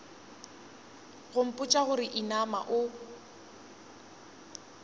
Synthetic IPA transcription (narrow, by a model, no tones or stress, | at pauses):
ɣʊm̩pʼʊt͡ʃʼaɣʊɾɪʔinama̰ʔʊ